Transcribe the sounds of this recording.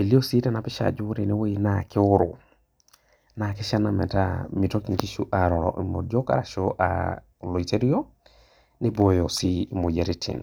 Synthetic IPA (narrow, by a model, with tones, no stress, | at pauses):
e˨li˦o˦si˦tɛ˦na˨pɪ˦ʃa̰d͡ʒʊ˦ɾi˨ne˦we˦i˨nakɪ˦ʊ˦ɾʊ̰˨ | na˨kɪ˦ʃa˦na˨mɛ̰˨ta˦mi˨to˦ki˨ŋki˦ʃu˦ʔa˨ɾɔ˨ɾɔ̰˨ʔi˨mo̰˨djɔ˦ka̰ɾa̰˨ʃoʔa̰ | lɔ˨i˨te˦ɾi˦o˦ | nɪ˦bo˨jo˨si˦˨mo˨d͡ʒe˨ɾi˦tʰḭ˨n